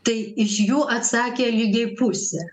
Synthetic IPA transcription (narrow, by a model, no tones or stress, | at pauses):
t̪ɐɪɪʃjuːʔɐt̪sɑːkʲeːlʲiːɡʲɛɪpʊsʲɛː